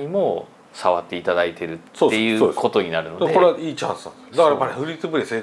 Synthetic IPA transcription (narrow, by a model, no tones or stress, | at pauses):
ɲ̟imo̞ | saβat̪ːe̞it̪ad̪ait̪ʰe̞ɾɯ̟t̪soe̞jɯ̟ːoeko̞t̪o̞ɲ̟inaɾɯ̟nod̪dekoɾaʔiːt͡ɕãɰ̃sã | d̪akaɾamaɾehɸɯ̟ɾʲit͡sɨbɯ̟ɾʲese